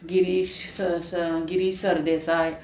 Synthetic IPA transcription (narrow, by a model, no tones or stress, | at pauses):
ɡiɾiːɕsɡiɾiːɕsəɾd̪esaj